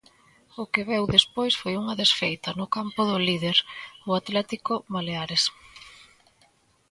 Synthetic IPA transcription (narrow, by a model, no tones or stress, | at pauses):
ʊkɪβɛwðespojsfojuŋɐðesfejt̪ɐnʊkampʊðʊliðeɾʊat̪lɛt̪ikʊβaleaɾes